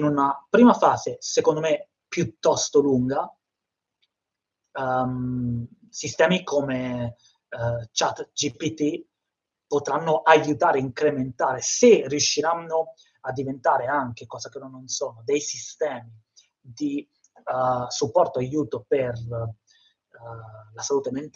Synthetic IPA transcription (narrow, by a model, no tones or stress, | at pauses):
inunapɾiːmafaːzesekond̪ome | pjut̪ːɔst̪oluŋɡa | sist̪ɛːmikome | t͡ʃat̪d͡ʒipit̪i | pot̪ɾanːoʔajut̪aːɾeiŋkɾement̪aːɾeseriuʃːiɾanːo | ad̪ːivent̪aːɾeaŋk̟ekɔːzakenonːonsoːnod̪ejsist̪ɛːmi | d̪i | supːɔrt̪oajuːt̪oper | lasaluːt̪ement̪